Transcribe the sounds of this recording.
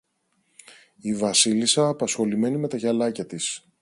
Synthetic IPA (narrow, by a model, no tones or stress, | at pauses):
ivɐsilisɐːpɐsxo̞lime̞nime̞t̪ɐʝɐlɐcɐt̪is